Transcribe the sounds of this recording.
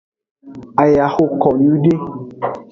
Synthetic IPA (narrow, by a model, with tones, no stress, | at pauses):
a˨ja˨ho˦kɔ˨nũ˦de˦